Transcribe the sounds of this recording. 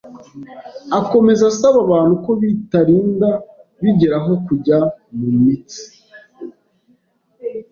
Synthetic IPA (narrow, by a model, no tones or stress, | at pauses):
ako̞me̞zasaβaβaːn̥huko̞βitaɾiːnda | βiɟe̞ɾaɦo̞kuɟamumit͡si̥